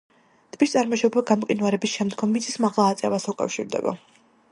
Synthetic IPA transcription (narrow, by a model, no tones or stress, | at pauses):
d̪̥bist̪sʼaɾmɔʃɔbaɡamqʼinwaɾɛbisʃɛmd̪ɡɔmːit̪sʰismaʁlˠaːt̪sʼɛvasukʼa̰fʃḭɾd̪ɛ̰ba̰